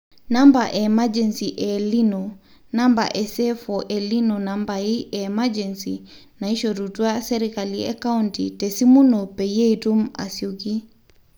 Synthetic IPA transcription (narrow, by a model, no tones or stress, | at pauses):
nambaʔemad͡ʒɛnsiʔɛlinɔ | namba̰ʔɛsɛfɔʔɛlinɔnambajiʔɛmad͡ʒɛnsḭ | naiʃodutuaseɾikalia̰kauntitesimunɔpɛjejtuma̰suɡi